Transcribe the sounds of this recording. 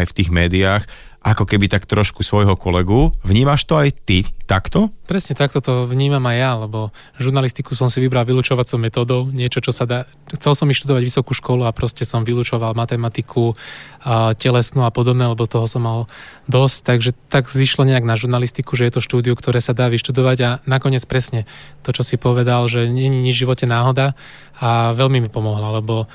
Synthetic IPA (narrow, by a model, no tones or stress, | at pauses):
ajft̪iːɣmɛːd̪iaːx | ʔakɔkɛbit̪akt̪ɾɔʃkusʋɔjɦɔkɔlɛɡuvɲiːmaʃt̪ɔajt̪it̪akt̪ɔpɾɛsɲɛt̪ak̚t̪ɔt̪ɔʋɲiːmamajːalɛbɔ | ʒuɾnalist̪ikusɔmsiʋibɾalʋiluːt͡ʃɔʋat͡sɔʊmɛt̪ɔːd̪ɔʊɲɪɛt͡ʃɔt͡ʃɔsad̪aː | xt͡sɛlsɔmːiʃt̪ud̪ɔʋaɟʋisɔkuːʃkɔluapɾɔscɛsɔmʋiluːt͡ʃɔʋalmat̪ɛmat̪ikʰu | cɛlɛsnuːapɔd̪ɔbnɛːalɛbɔt̪ɔɦɔsɔmːald̪ɔsct̪aɡʒɛt̪aɡziʃlɔɲɛaɡnaʒuɾnalist̪ikuʒɛjɛt̪ɔʃt̪uːd̪iukt̪ɔɾɛːsad̪aːʋiʃt̪ud̪ɔʋaɟanakɔɲɪɛt͡spɾɛsɲɛt̪ɔt͡ʃɔsipɔʋɛd̪alʒɛɲɛɲiɲivʒiʋɔcɛnaːɦɔd̪a | aʋɛlmimipɔmɔɦlalɛbɔ